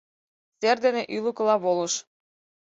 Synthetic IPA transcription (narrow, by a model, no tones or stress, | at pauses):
serd̪eneʔylukɤ̆lɑβolɤ̆ʃ